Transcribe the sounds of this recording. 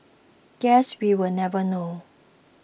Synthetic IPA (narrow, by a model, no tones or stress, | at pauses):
ɡ̥ɛswiwəlnɛvəno